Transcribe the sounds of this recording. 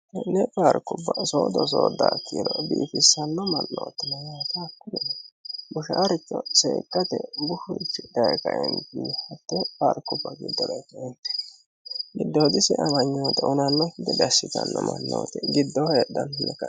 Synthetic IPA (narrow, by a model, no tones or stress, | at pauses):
nɛfaːɾkːʊbːɐsoːd̪ɔs̬oːd̪ːaːkːiːɾɔbiːfɪsːɐnːɔmɐnːo̰ːt̪ɪnɐjaːt̪ɐːkːʊnɛbʊʃaːɾɪt͡ʃːɔsḛːkːɐt̪ɛɡʊhʊɾɪt͡ʃːɪd̪ɐjkɐʔɛnt̪inhɐt̪ːɛfaːɾkːʊbːɐɡɪd̪ːɔdɐjkɐʔɛnt̪ɛ̥ | ɡɪd̪ːoːd̪ɪsɪʔɐmɐɲːoːt̪ɛʔʊnɐnːɔhɪd̪ɛd̪ɐsːɪt̪ɐnːɔmɐnːo̰ːt̪ɛɡɪd̪ːɔheːd̪ɐnnɛkɐ